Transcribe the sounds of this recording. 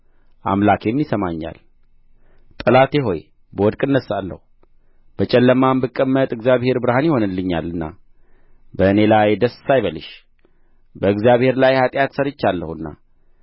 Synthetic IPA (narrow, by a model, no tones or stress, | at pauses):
ʔa̰mlakjɛmːisəmaɲːa̰l | t̪ʼɨlat̪jɛɦo̞̰j | bəwɔd̪kʼɨnːəsalːə̰hu | b̥ət͡ʃʼɛlːəmambɨkʼːəmːət̪ʼɨɡzijaβhe̞ɾbɨɾhanjɪho̞nɨlːɨɲːa̰lɨnːa̰ | bəɨne̞lajd̪əsːajβəlɨʃ | bəɨɡzijaβhe̞ɾlajhat̪ʼjat̪səɾɨt͡ʃːalːəhuɨnːa̰